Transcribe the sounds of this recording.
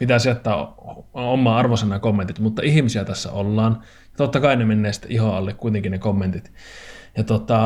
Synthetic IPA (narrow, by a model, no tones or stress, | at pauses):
pit̪æːsiɑt̪ːɑː | omːɑːɑrʋosenːɑkomːent̪it̪mut̪ːɑihimisiæt̪æsːæ̰olːɑːn | jɑt̪ot̪ːɑkɑinemenːeːsi̥t̪ːḛʔihoɑlːekkuit̪eŋkinnekomːent̪it̪jɑt̪ot̪ɑ